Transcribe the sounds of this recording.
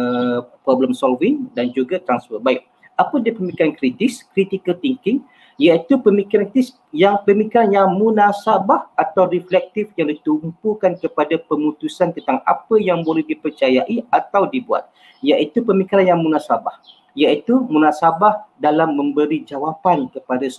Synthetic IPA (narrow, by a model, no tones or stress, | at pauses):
əpɾobləmsɔlvɪŋdand͡ʒuɡat̪ɾansfərbaɪk̚ | apədipəmikiɾankɾit̪ɪskɾit̪ikəlt̪iŋkɪŋ | jait̪upəmikiɾankis | jaŋpəmikiɾanjaŋmũnãsabahat̪awɾiflɛk̚t̪ɪfjaŋdit̪umpukankəpadapəmũt̪usant̪ənt̪aŋa̰pəjaŋbolɛhdipərt͡ʃajaʔiat̪awdibua̰t̪̚ | jaʔit̪upəmikiɾanjaŋmũnãsabah | jait̪umũnãsabahdalamːə̃mbəɾid͡ʒawapankəpadas